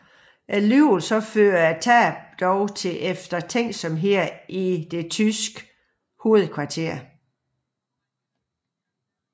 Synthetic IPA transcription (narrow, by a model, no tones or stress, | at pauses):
ʔælyːlsɒ̽føːɐæt͡sʰæbd̥ɒʊt͡sʰe̝ʔefd̥ɐt͡sʰeŋ̰sɒ̽mɦeɐ̰id̥e̝t͡sʰysɡ̥ | ho̝ːð̞̩ˠkʰʋɑ̈t͡sʰe̝̰ɐ̰